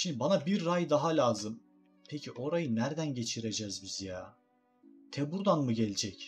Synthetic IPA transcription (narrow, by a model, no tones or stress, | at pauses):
ʃimd̪ibanabiɾːajd̪aɦalʲaːzɯm | pʰecʰiʔo̞ɾajɯnæɾd̪ænɟe̞t͡ʃʰiɾed͡ʒɛzbizjaː | t̪ʰɛbuɾd̪anmuɟelʲd͡ʒɛc